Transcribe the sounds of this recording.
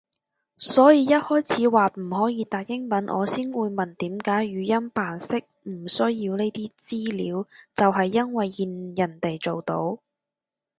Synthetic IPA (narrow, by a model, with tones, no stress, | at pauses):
sɔː˨˥jiː˧jɐ˥t̚hɔː˥jt͡sʰiː˨˥waː˨t̚m̩˨˩hɔː˨˥jiː˨˧t̪aː˨k̚jɪ˥ŋmɐ˨˥nʔɔ̰ː˨˧siː˥nwuː˨˧jmɐ˨˩nt̪iː˨˥mkaː˨˥jɥyː˨˧jɐ˥npaː˨nsɪ˥k̚m̩˨˩sɵ˥ɥji˧wne˥t̪iː˥t͡siː˥liː˨˥wt͡sɐ˨wɦɐ˨jːɐ˥nwɐ˨jːiː˨njɐ˨˩nt̪e˨jt͡so˨wt̪o̰˨˥w